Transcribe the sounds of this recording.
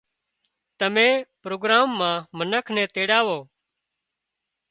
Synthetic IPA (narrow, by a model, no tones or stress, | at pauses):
t̪əmẽːpɾoːɡɾaːmːãːmənəkʰnɛ̃ːt̪eːɽaːʋoː